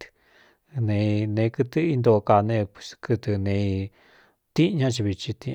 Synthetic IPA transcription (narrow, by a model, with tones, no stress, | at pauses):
nẽ˧nẽ˧kɨ˧t̪ɨ˦i˧nd̪o˧ka˧nẽ˧pskɨ˧t̪ɨ˧nẽ˧ | t̪ĩ˦˧ɲã˦t͡ʃi˧βi˧t͡ʃi˧t̪ĩ˧